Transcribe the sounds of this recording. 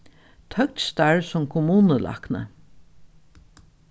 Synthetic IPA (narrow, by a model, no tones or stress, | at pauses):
t̪ʰœk̚t̪st̪aɹsʊmkʰʊmuːnəlʔa̰knə̰